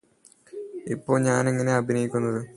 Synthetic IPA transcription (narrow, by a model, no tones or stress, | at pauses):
ipːo̞ːɭɲaːneŋːɐne̞ɐbʱinɐjikʲːunːɐðɨ